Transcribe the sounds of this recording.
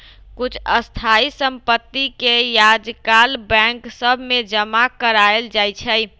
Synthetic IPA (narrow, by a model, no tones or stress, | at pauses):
kut͡ʃʰəst̪ʰaisəmpət̪ːikejad͡ʒkalbɛ̃ŋksəbʱmed͡ʒəmakəɾaeld͡ʒajt͡ʃʰəj